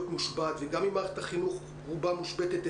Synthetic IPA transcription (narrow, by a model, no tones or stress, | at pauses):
t̪muʃbat̪veɡamimat̪aχinuχ | ʁubamuʃbet̪et̪